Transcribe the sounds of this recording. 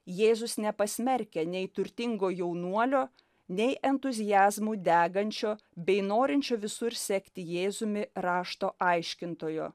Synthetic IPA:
jeːzʊsnʲɛpɐsʲmʲɛɾʲkʲɛnʲɛɪt̪ʊɾʲt̪ʲɪŋɡoːjɛʊnuɔlʲoː | nʲɛɪʔɛnt̪ʊzʲɪjæːzmuːd̪ʲæːɡɐnʲt͡ʃʲoː | bʲɛɪnoːɾʲɪnʲt͡ʃʲoːʋʲɪsʊɾsʲɛkt̪ʲɪjeːzʊmʲɪɾɑːʃt̪oːʔɐɪʃʲkʲɪnt̪oːjo̰ː

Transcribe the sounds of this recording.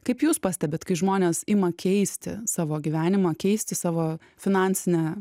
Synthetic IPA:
kɐɪpjuːspɑːsʲt̪ʲɛbʲeːt̪kɐɪʒmoːnʲeːsɪmɐkʲʰɛɪsʲt̪ʲɪ̰sɑːʋoːɡʲiʋʲæːnʲɪmɑːkʲɛɪsʲt̪ʲɪsɑːʋoː | fʲɪnɑnʲsʲɪnʲɛː

